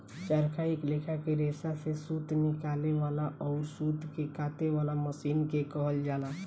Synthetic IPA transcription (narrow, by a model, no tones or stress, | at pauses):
t͡ʃəɾkʰaːɪkleːkʰakeɾeːsasesuːt̪nɪkaːleʋaːlaʔɔːɾsuːt̪kekaːt̪ewaːlaməsiːnkekəɦəld͡ʒaːla